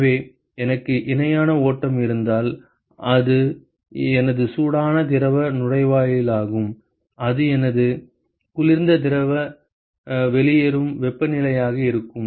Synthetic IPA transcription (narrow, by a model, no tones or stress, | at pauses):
ʋeː | ɛnɐkːɯʔɪnɐjaːnɐoːʈːɐmɪɾɯnd̪aːl | ʔɐðɯ | ɛnɐðɯsuːɽaːnɐt̪̬ɪɾɐʋɐnʊrɐɪʋaːjɪlaːɣɯm | ɐðɯɛnɐðɯ | kʊlɪɾnd̪ɐt̪̬ɪɾɐʋɐ | ʋɛɭɪjeɾɯmʋɛpːɐnɪlɐjaːɣɐɪɾɯkːɯm